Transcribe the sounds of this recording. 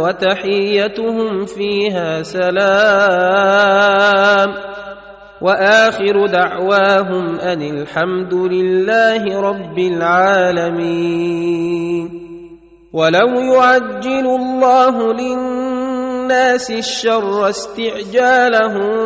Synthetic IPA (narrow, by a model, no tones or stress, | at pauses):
wat̪aħɪjːat̪ʊhʊmfiːɦaːsalaː | m | waʔaːxɪɾʊd̪aʕwaːɦʊmʔanɪlħamd̪ʊlɪlːaːɦɪɾˤɑbːɪlʕaːlamiː | n | walawjʊʕad͡ʒːɪlʊlˤːɑːɦʊlɪ | nːaːsɪʃːɑrˤːɑst̪ɪʕd͡ʒaːlaɦʊm